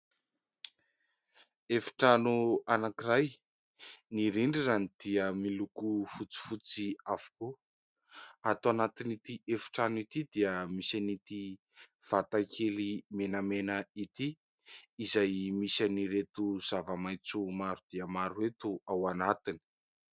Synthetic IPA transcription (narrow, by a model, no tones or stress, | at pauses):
efi̥ʈ͡ʂanuanakiraj | niɾiɳɖ͡ʐizanid̪̥iəmilukufut͡si̥fut͡siavu̥ku | at̪anat̪init̪iʔefi̥ʈ͡ʂanuit̪id̪iəmisanit̪i | v̥at̪akʰelimenəmenəit̪iː | zajmisaniɾet̪uz̥avəmajt͡sumaɾud̪̥iəmaɾuet̪uawanat̪ini̥